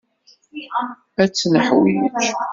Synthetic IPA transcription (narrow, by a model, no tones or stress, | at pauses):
æt͡sːnəħwḭt͡ʃ